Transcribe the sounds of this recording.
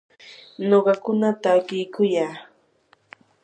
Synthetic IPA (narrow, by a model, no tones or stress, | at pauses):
noɢɑkʊnat̪aːkɪjkʊjaː